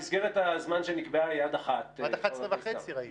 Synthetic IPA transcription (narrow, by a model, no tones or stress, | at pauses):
isɡeʁetazmanʃenikbeajadaχat̪avaeia